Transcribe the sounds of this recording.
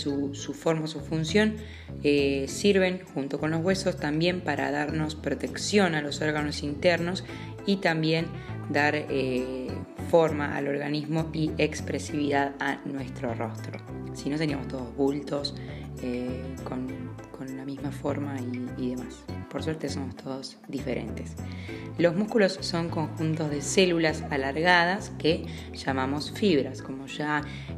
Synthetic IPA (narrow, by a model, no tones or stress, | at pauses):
susufo̞ɾmaosufunsjo̞n | esiɾβe̞ŋxunt̪o̞ko̞nlo̞zɣwe̞so̞st̪ambje̞mpaɾa̰ðaɾno̞spɾo̞t̪e̞ksjo̞nalo̞so̞ɾɣano̞sint̪eɾno̞s | it̪ambje̞n | d̪aɾe | fo̞ɾmaʔa̰lo̞ɾɣanizmo̞iekspɾesiβiðaðanwe̞st̪ɾo̞ro̞st̪ɾo̞̰sinot̪eniamost̪o̞ðozβult̪o̞s | ekonko̞nlamizmafo̞ɾmaiːðemaspo̞ɾsweɾt̪e̞so̞most̪ʰo̞ð̞oz | ðifeɾḛnt̪e̞slo̞zmuskulo̞sːo̞ŋko̞ŋxunt̪o̞zðe̞se̞lulasalaɾɣað̞aske | ʒ̥amamo̞sfiβɾasko̞mo̞ʒa